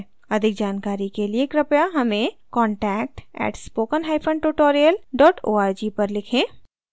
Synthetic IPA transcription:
ɐd̪ʱɪk̚d͡ʒaːnkaːɾikelieːkɾɐpjaɦɐmẽ | kɔːɳʈɛːk̚ʈɛ̰ːʈspoːkənɦaːɪpʰə̃ɳɖʈuʈoːɾijəlɖɔːʈʰoːaːɾd͡ʒipɐɾlɪkʰẽː

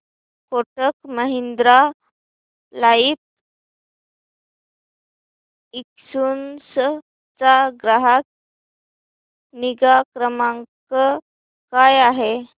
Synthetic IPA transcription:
koʈəkməɦind̪ɾa | lait̪̚ | iksuːnsə | t͡saɡɾəɦat̪̚ | niɡakɾəmaŋkə | kajaɦe

